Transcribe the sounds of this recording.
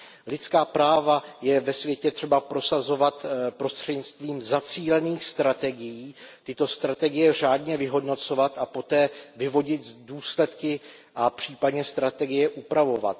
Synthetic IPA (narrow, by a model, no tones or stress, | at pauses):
lɪt̪t͡skaːpɾaːvajɛvɛsvjɛcɛt̪r̥ɛbapɾo̞sazo̞vat̪pɾo̞st̪r̥ɛdɲɪt͡st̪viːmzat͡siːlɛniːxst̪ɾat̪ɛɡɪjiːt̪ɪt̪o̞st̪ɾat̪ɛɡɪjɛr̝aːdɲɛvɪɦo̞dno̞t͡so̞vat̪ʔapo̞t̪ɛːvɪvo̞ɟɪt̪duːslɛt̪kɪʔapr̝̥iːpadɲɛst̪ɾat̪ɛɡɪjɛʔupɾavo̞va̰t̪̚